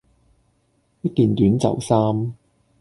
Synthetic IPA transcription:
jɐ˥t̚kiː˨nt̪yː˨˥nt͡sɐ̰˨˩wsaː˥m

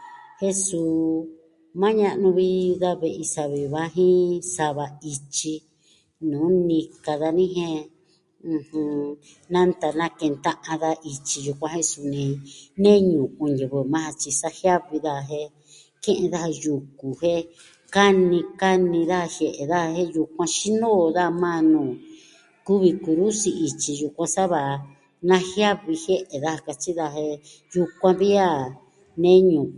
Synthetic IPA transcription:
he˦suː˧˨ | mã˦ɲã˦˧ʔnũ˧βi˦ða˦βe˧˨ʔi˧sa˧βi˧βa˦ɦĩ˦sa˧βa˧i˧t͡ʃi˧ | nũː˨˦nĩ˧ka˧ða˧nĩ˦ɦẽ˦ | ũ˧hũ˧ | nã˦nt̪a˧nã˦kẽ˧nt̪ã˦ʔã˧ða˦ʔi˧t͡ʃi˧ju˧kʷã˧ɦẽ˦su˧nĩ˧nẽ˦ɲũ˨ʔũ˧ɲjɨ˨βɨ˧mã˦a˧t͡ʃi˧sa˦hja˦βi˧ða˦˨ɦẽ˧ | kẽ˦ʔẽ˧ða˦ha˧ju˨ku˨hẽ˦ | ka˦nĩ˧ka˦nĩ˧ða˦a˧hje˧ʔe˨ða˦a˧hẽ˦ju˧kʷã˧ʃi˦nõ˦˨ða˦˧mã˦nũ˨ | ku˦βi˧ku˧ɾu˦si˧i˧t͡ʃi˧ju˧kʷã˧sa˦βa˨˧ | nã˦hja˦βi˧hje˦ʔe˨ða˦ha˧ka˧t͡ʃi˦ða˧hẽ˧ | ju˧kʷã˧βi˦a˦ | nẽ˦ɲũ˨

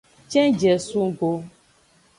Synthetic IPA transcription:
t͡ʃɛ̃˦d͡ʒɛ˨sũ˦ɡo˦

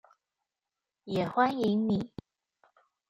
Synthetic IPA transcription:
jɛ˨˩xwa˦˥ni˧˥ŋni˨˩˦

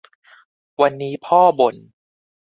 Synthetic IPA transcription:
wa˧nːiː˦˥pʰɔː˥˩bo˨˩n

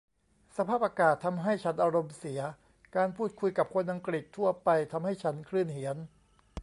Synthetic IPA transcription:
sa˧pʰaː˥˩p̚ʔaː˧kaː˨˩t̪ʰːa˧mɦa˥˩jt͡ɕʰa˦˥nʔa˧ɾo˧msi˩˦ɐ | kaː˧npʰuː˥˩t̪̚kʰu˧jka˨˩p̚kʰo˧nʔa˧ŋkɾi˨˩t̪ʰːu˥˩ɐpa˧jt̪ʰa˧mɦa˥˩jt͡ɕʰa˦˥nkʰlɯː˥˩nhi˩˦ən

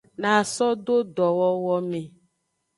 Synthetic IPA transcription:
nã˨sɔ˦ɖo˦ɖɔ˨wɔ˦wɔ˦mẽ˨

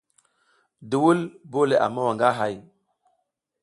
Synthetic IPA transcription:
du˨wu˦lbo˦le˨ʔa̰˨ma˦wa˨ŋɡa˦ɦa˦˨j

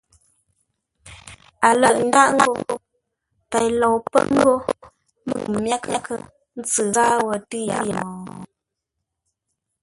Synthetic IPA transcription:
a˨lə˨ʔn̩˦da˦ʔŋ̩˦ɡo˦ | pɛ˨jlɔ˨wpə̰˦ŋ̩˦ɡo˦ | mə̰˨kmja˦kʰə˦kʰə̰˦˨ | n̩˦t͡sɨ˨ɣa˦wə˦tɨ˦ja̰˦˨jə˨mɔ˨

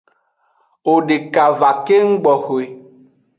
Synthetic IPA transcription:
o˨ɖe˨ka˨va˨ke˦ŋ̩˦ɡ͡bɔ˨xo˨e˨

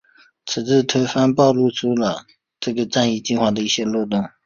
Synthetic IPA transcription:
t͡s̩ʰ˨˩t͡sɹ̩˥˩t̪ʰə˥fa˥npɑ˥˧ʊlu˥˩ʈ͡ʂʰu˥lə˨ | ʈ͡ʂɤ˥˩ɡə˩ʈ͡ʂa˥˧ni˥˧t͡ɕi˥˧nxwa˥˩d̪ə˩i˥˩ɕjɛ˥lwɔ˥˧t̪ʊ˥˩ŋ

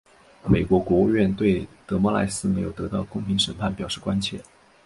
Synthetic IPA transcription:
me˨˩ɪkwɔ˧˥kwɔ˧˥u˥˧ɥɛ˥˧nt̪we˥˩ɪt̪ɤ˧˥mɔ˧˥la̰˧˥ɪsɹ̩˥me˧˥ɪjo˨˩ʊt̪ɤ˧˥t̪ɑ˥˧ʊkʊ˥˩ŋpʰi˧˥ŋʂə˨˩npʰa˥˩npjɑ˨˩ʊʂɻ̩˥˩kwa˥nt͡ɕʰjɛ̰˥˩

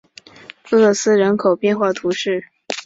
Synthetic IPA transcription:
ɤ˥˧˩lo˥˩sɹ̩˥ɻə˧˥nkʰo˨˩ʊpjɛ˥˧nxwa˥˩t̪ʰu˧˥ʂɻ̩˥˩

